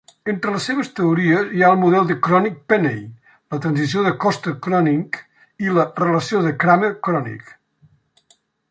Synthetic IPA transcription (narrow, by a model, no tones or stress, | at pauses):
ent̪ɾələsːeβəst̪əuɾiəziaəlˠmuðɛlˠd̪əkɾɔnik̚pɛnej | lət̪ɾənzisioðəkɔst̪əkɾɔniŋk | ilərələsioðəkɾaməɾkɾɔnḭk